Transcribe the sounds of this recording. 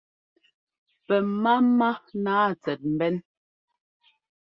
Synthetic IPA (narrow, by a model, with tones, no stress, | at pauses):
pɛ˨ma˦ma˦naː˦˨t͡sɛ˨t̚m̩˨bɛ˦n